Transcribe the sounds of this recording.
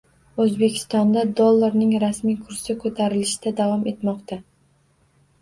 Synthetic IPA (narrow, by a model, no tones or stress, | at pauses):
ɵzbe̞kʲʰɪ̥st̪ɒnd̪ad̪olˠːaɾnɪŋɾasmijkʰʊɾsɪkʰɵt̪ʰaɾɪlɪʃɪd̪̥ad̪avɒme̞t̪mɒqt̪a